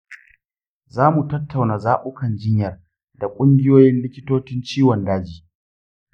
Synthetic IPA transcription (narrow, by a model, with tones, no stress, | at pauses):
zaː˦mu˨tɐ˦tʰːa˨wnaː˨zaː˦ɓʊ˦kɐ˨nd͡ʒɪ˦ɲjɐ˨r | da˨kʷʼʊ˦ŋɡʲɪ˦joː˦jɪ˦nlɪ˦kʲɪ˦toː˦t͡ʃɪ˦nt͡ʃiː˦wɔ˨ndaː˦d͡ʒiː˨